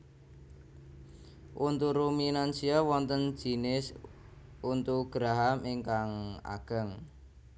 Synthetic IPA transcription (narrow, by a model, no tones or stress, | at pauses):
ʔunt̪uɾuminansiawɔnt̪ən̥d͡ʒ̥i̤nɪs | unt̪uɡ̥ɾaɦamiŋkaŋa̰ɡ̥ə̤ŋ